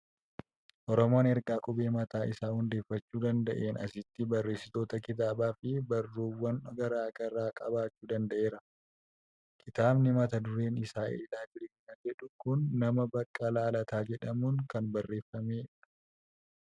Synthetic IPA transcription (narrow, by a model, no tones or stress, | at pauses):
ʔɔɾɔmoːnɛɾɡaːkʼʊbe̞ːmɐt̪aːɪsaːhʊnd̪e̞ːfːɐt͡ʃːuːd̪ɐnd̪ɐʔe̞ːnɐ̰sɪt̪ːɪbɐrːe̞ːsɪt̪o̞ːt̪ɐkɪt̪̬aːbaːfɪbɐrːuːwːɐnɔɡɐɾaːɡɐrːaːkʼɐbaːt͡ʃːuːd̪ɐnd̪ɐʔe̞ːɾɐ | kʰɪt̪aːbnɪmɐt̪ɐd̪ʊɾe̞ːnɪsaːɪ̰ɪlaːd͡ʒɪɾɛkɐnɐd͡ʒɛᶑʊkʊnːɐmɐbɐkʼːɐlaːlɐt̪ʰaːd͡ʒɛᶑɐmuŋkɐnbɐrːe̞ːfːɐmeːᶑ